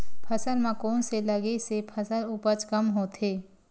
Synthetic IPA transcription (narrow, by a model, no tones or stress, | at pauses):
pʰɐsəlmãkoːnselɐɡesepʰɐsəlʊpət͡ʃkɐmɦoːt̪ʰeː